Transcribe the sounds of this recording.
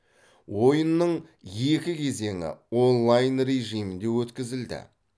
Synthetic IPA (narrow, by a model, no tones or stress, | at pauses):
wo̞jənːəɴ | je̞kʲɪkʲʰe̞ze̞ŋɪ̰o̞nlˠajnre̞ʒijmɪnd̪e̞wɵt̪kʲɪzɪld̪ɪ̰